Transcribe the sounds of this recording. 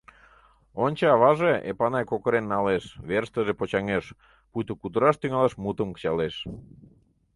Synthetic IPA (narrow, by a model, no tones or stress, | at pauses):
onʲt͡ɕɑɑβɑʒeḛpɑnɑjkokəɾenːɑleʃβerst̪əʒepot͡ɕɑŋeʃ | pujt̪əkud̪əɾɑʃt̪yŋɑlɑʃmut̪əmkə̥t͡ɕɑleʃ